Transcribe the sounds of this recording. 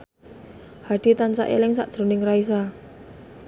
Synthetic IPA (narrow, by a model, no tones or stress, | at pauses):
haɖ̥i̤t̪ant͡ʃa̰ʔḛlɪŋsa̰ʔd̥ʒ̥ɾo̤nɪŋrais̬a